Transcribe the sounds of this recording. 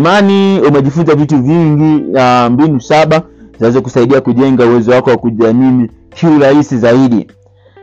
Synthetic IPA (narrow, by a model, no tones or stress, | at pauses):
maniumɛʄifutavituviŋɡiambinusaɓazaizɔkusaiɗiakuʄɛŋɡauwɛzɔwakɔwakuʄamiː | hiuɾaisizaiɗḭ